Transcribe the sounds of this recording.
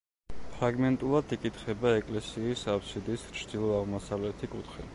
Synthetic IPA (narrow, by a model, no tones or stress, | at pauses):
pʰɾaɡmɛnt̪ʼulˠad̪ikʼit̪χɛbaɛkʼlɛsiːsapsid̪ist͡ʃʰd̪ilˠɔaʁmɔsavlɛt̪ʰikʼut̪ʰχḭ